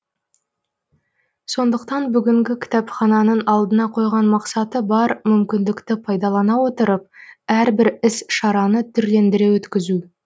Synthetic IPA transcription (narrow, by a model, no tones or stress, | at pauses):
so̞nd̪əqt̪ɑnbʏɡʲɪŋɡʲɪkʲʰɪ̥t̪æpχɑnɑnəɴɑlˠd̪ənɑqʰo̞jʁɑnmɑqsɑt̪əbɑɾmʏmkʲɪnd̪ɪkt̪ɪpʰɑjd̪ɑlˠɑnɑwo̞t̪əɾəp̚æɾbɪɾɪsʃɑɾɑnət̪ʰʏɾle̞nd̪ɪɾe̞wɵt̪kʲɪzu